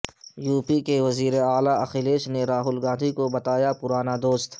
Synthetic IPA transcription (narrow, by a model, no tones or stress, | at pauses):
juːpikeʋɐziːɾeaːlaʔɐxileːʃneɾaːɦʊlɡãːd̪ʱikobɐt̪aːjapʊɾaːnad̪oːst̪